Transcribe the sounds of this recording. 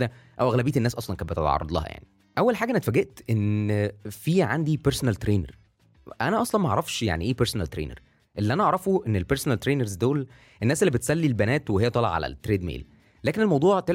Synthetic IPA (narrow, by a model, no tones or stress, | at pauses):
d̪æʔæwʔæɣlæbiːt̪enːæːsʔɑsˤlɑnkæbet̪ḛt̪ʕɑ̰rˤːɑd̪ˤlɑ̰hɑ̰ja̰ʕni | ʔæwːælħaːɡæʔænæt̪fæːɡeʔt̪ʔen | fiːʕand̪ipeɾsonælt̪ɾeːnḛɾ | ʔænæʔɑsˤlɑnmæɑʔɑʕɾˤɑfʃja̰ʕniʔeːpeɾsonælt̪ɾḛːnḛɾ | ʔelːiʔænæʔɑʕɾˤɑfuʔenːelpeɾsonælt̪ɾeːneɾzd̪oːl | ʔenːæːselːibet̪sælːilbænæːt̪wehejːæt̪ˤɑːlḛʕa̰læ̰t̪ːɾeːd̪mḛːlː | æːkenelmɑwd̪ˤuːʕt̪e